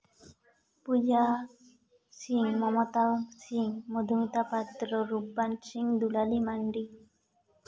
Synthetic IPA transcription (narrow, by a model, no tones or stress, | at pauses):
pud͡ʒa | siŋmɔmɔt̪asiŋmud̪ʱumit̪apat̪ɾɔɾupːansiŋd̪ulalimaɳɖi